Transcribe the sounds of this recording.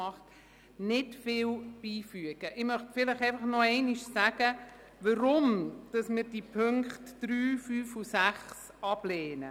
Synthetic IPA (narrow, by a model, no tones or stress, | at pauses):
ɑχt | nɪdfɪːwb̥iːfyəɡ̥əʔɪmœχtfɪləχɛɪfɑχnɔɛɪniʃsæɡ̥ə | ʋəɾʊmd̥ɑsmɪɾd̥ipʰøŋkχtd̥ɾyːfyːfusæχs | ɑb̥lɛːnə